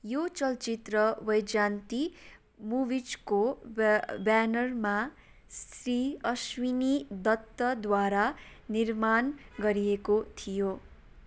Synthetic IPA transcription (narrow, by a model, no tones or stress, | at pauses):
jot͡sʌlt͡ʃit̪rʌwʌjd͡ʒant̪i | mubid͡zko | banʌrma | sriʌswinid̪ʌt̪ːʌd̪waɾanirmanɡʌɾiekot̪ʰijo